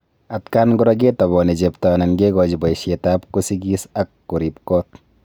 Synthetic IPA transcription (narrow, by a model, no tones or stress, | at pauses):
atkanɡʊɾɔɡetaβɔned͡ʒeptananɡeɡɔd͡ʒibajʃetapkusiɡisakːuɾipkɔt̚